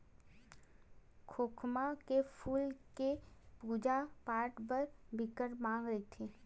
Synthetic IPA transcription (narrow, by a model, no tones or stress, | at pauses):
kʰoːkʰmakepʰuːlkepuːd͡ʒapaːɾʈbəɾbɪkəɾmãːŋɡɾɐit̪ʰi